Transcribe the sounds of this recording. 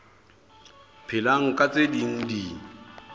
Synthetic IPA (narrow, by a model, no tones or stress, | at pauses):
pʰɪlaŋ̩kʼat͡sʼediŋ̩di